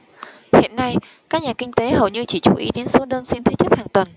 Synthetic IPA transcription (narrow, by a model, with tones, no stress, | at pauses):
hḭ˧˨ənːa˧j | kaː˦˥k̚ɲaː˨˩kï˧ŋ̟t̪e˨˦hə˨˩wɲɨ˧t͡ɕi˧˩t͡ɕu˧˩ʔḭ˨˦ɗe˨˦nso˨˦ɗəː˧nsi˧nt̪ʰe˨˦t͡ɕə˦˥p̚haː˨˩ŋt̪wə˨˩n